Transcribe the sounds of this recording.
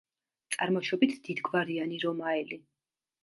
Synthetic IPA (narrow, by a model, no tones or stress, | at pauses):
t̪sʼaɾmɔʃɔbit̪ʰd̪̥id̪ɡvaɾianiɾɔmaɛli